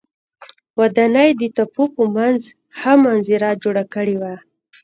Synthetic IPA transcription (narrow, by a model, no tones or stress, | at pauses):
wad̪ɑnajd̪ət̪apopəmanz | hamanziɾad͡ʒoɽakəɽewa